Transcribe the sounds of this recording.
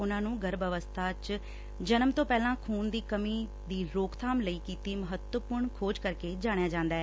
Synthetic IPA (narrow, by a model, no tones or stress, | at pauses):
ʊnãːnũːɡəɾbəʋəst̪ʰaːt͡ʃ | d͡ʒənəmt̪õːpɛːlãːkʰuːnd̪iːkəmiː | d̪iːɾoːkt̪ʰaːmləiːkiːt̪iːməɦət̪wəpʊɾɳkʰoːd͡ʒkəɾkeːd͡ʒaːɽ̃ejaːd͡ʒãːnd̪aːɛː